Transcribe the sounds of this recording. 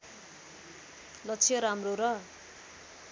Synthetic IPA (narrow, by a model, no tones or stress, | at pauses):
lʌt͡sʰijʌɾamroɾʌ